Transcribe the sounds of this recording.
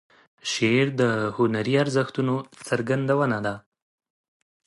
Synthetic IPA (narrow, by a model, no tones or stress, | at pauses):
ʃeɾd̪əhʊnaɾiaɾzəxt̪unot͡səɾɡand̪awənad̪a